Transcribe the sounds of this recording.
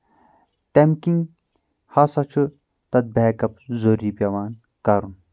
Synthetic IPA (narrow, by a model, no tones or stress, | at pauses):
t̪emkiŋɡ | hasɐt͡ʃʰɨ | t̪ɐt̪̚bekɐp̚zoɾipjɐʋaːn | kɐɾun